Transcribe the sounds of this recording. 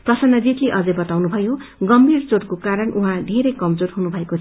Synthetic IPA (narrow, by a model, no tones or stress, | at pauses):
t̪ʌsʌnʌd͡zit̪leʔʌd͡zʌjbʌt̪awnubʱʌjoɡʌmbʱirt͡soɾkokaɾʌnʔuɦãd̪ʱeɾejkʌmd͡zoɾɦunubʱʌekot͡sʰ